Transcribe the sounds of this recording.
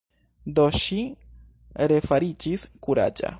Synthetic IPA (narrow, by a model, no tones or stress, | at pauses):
d̪oʃi | ɾefaɾit͡ʃiskuɾa̰d͡ʒa̰